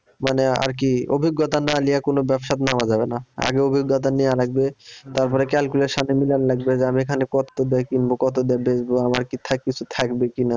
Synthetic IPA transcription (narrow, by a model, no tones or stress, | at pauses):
manea̰ɾk̬iobʱiɡːɔt̪analijakonobɛbʃat̪namad͡ʑabenaa̰ɡeobʱiɡːɔt̪̬anijalaɡ̚bet̪aɾpɔɾekɛlkuleɾʃanemilanlaɡbed͡ʑeamiekʰanekɔt̪ːod̪ɛakinbokɔt̪od̪ɛabed͡ʑboamaɾkit̪ʰakːit͡ɕʰut̪ʰakbekina